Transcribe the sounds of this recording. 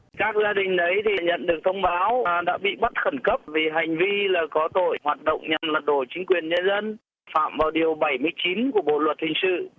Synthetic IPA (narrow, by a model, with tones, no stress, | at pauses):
kaː˦˥k̚zaː˧ɗï˨˩ŋ̟ʔə˨˦jt̪ʰi˨˩ɲə̰˧˨nɗɨ˨˩ək̚t̪ʰə˧wŋ͡mɓaː˨˦wɗa̰ː˧˥ɓḭ˧˨ɓə˦˥t̚xə˧˩nkə˦˥p̚vi˨˩ɦa˨˩jŋ̟vi˧laː˨˩kɔ˨˦t̪o̰˧˨jhwaː˨˩t̚ɗə̰˧˨wŋ͡mɲa˨˩mlə˨˩t̚ɗo˧˩t͡ɕï˨˦ŋ̟kwi˨˩ənɲə˧nzə˧n | fa̰ː˧˨mvaː˨˩wɗi˨˩əwɓa˧˩jmɨ˧əjt͡ɕi˨˦nku˧˩əɓo̰˧˨lwə˨˩t̚hï˨˩ŋsɨ̰˧˨